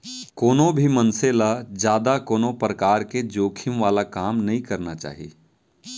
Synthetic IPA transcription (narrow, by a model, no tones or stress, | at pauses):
koːnõbʱimɐnselad͡ʒjaːd̪akoːnõpɾɐkaːɾked͡ʒoːkʰɪmʋaːlakaːmnɐɦĩkɐɾnat͡ʃa̰ːɦiḛː